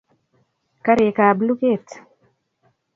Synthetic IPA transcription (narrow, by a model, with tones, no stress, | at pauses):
ka˦ɾe˨ka˨blu˦ke˦˨t